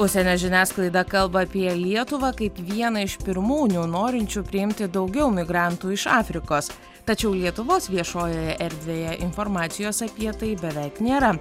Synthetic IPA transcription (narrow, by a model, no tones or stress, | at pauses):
ʊʃʲsʲɛnʲoːʒʲɪnʲæːsklˠɐɪd̪ɐkɐlˠbɐːpʲiɛlʲiɛt̪ʊʋɐkɐɪpʋʲiɛnɐɪʃpʲɪɾmuːnʲuːnoːɾʲɪnʲt͡ʃʲuːpʲɾʲɪɪmʲt̪ʲɪd̪ɒʊɡʲɛʊmʲɪɡɾɑˑnt̪uːɪʃɑːfʲɾʲɪkoːs | t̪ɐt͡ʃʲɛʊlʲiɛt̪ʊʋoːsʋʲiɛʃoːjoːjɛʔɛɾʲd̪ʲʋʲeːjɛʔɪnfɔɾmɑːt̪sʲɪjoːsɐpʲiɛt̪ɐɪbʲɛʋʲɛɪknʲeːɾɐ